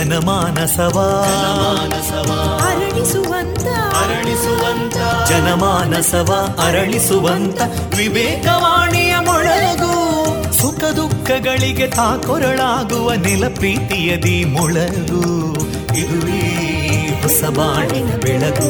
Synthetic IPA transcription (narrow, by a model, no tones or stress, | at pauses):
ɐnɐmaːnɐsɐʋɐɐɐaːnɐsɐʋɐɐɾɐɭisʋɐnt̪ɐɐɾɐɭisuʋɐnt̪ɐd͡ʒɐnɐmaːnɐsɐʋɐɐɾɐɭisuʋɐnt̪ɐ | ʋiʋɛːkɐʋaːɳijɐmɔɭɐɡu | sukʰɐd̪ukʰːɐɡɐɭiɡet̪aːkɔɾɐɭaːɡuʋɐnilɐpɾiːt̪ijɐd̪imɔɭɐɡu | id̪uli | ɦɔsɐʋaːɳiɐbɛɭɐɡu